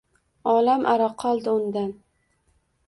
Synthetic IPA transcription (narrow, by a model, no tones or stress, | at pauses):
ɒlamʔaɾaqʰɒlˠd̪ɪʊnd̪an